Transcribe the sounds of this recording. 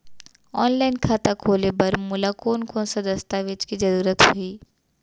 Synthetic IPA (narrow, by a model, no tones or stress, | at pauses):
ɔːnlaːɪnkʰaːt̪akʰoːlebɐɾmʊlakoːnkõːnsad̪ɐst̪aʋɪt͡ʃkid͡ʒɐɾuːɾət̪hʊiː